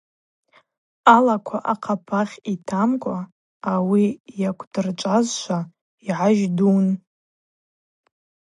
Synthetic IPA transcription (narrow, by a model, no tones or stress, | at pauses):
alakʷʰaʔaqʰapʰaχʲitʰamkʷʼaː | wijakʷʰd̥ɨrt͡ʃʷʼazʃʷa | iʕaʒdun